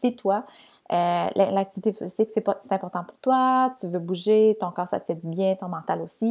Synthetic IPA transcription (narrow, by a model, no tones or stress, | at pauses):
sit̪wa | øllak̚t̪ivit̪efiziksɛse̥t̪ɛ̃pɔʁt̪ɑ̃puʁ̥t̪wat̪yvøbuʒet̪ɔ̃kɑːʁsa̰t̪ə̥fɛd̪ybjɛ̃t̪ɔ̃mɑ̃t̪alosi